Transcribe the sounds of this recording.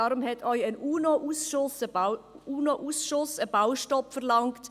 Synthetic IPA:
aɾʊmhɛtʰɔʏənuːnoʔuːsʃʊsə | uːnoʔusʃʊsəb̥awʃtɔpfəʁlɑŋkt

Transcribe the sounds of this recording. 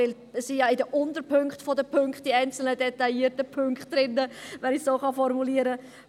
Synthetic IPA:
ɪl | əsijɑɪdəʔʊntəɾpʏŋkχtfɔdəpʰøŋkχt̚d̥iɛɪnt͡sl̩nədɛtɑiːətəpʰʏŋkχtd̥ɾɪnːəvɛnɪçsoːχɑfɔɾmuliːəɾə

